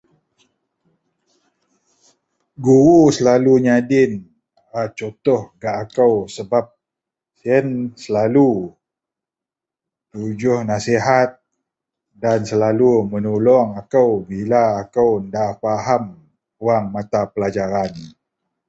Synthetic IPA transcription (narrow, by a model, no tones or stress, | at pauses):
ɡuɾusəlaluɲadɪn | ɾat͡ʃot̪ɔhɡaʔːkəwsəbap̚ | siənsəlalu | t̪ud͡ʒʊhnasiɦat̪̚ | dansəlalumənulɔŋakəwbilaːkəwndafaɦam | uaŋmat̪apəlad͡ʒaɾan